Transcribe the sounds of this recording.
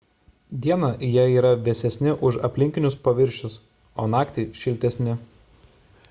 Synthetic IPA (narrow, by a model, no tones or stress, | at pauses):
d̪ʲiɛnɐʔjiɛiːɾɐʋʲɛsʲɛsʲnʲɪʔʊʃɐ̰pʲlʲɪŋʲkʲɪnʲʊspɐʋʲɪɾʲʃʲʊs | oːnɑːkt̪ʲɪʃʲɪlʲt̪ʲɛsʲnʲɪ